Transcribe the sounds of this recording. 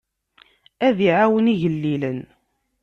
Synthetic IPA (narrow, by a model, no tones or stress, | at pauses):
æðiʕawəniʝəlːilən